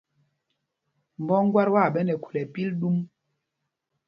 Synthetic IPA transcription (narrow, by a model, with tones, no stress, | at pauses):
m˨bɔ˦ŋ˦ɡwa˦ɾwa˦˨ɓɛ˦nɛ˨ku̥˨lɛ˨pi˦lɗu˦m